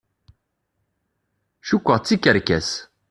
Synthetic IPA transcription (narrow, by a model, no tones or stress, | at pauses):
ʃukʷːəʁt͡sːikːəɾkæs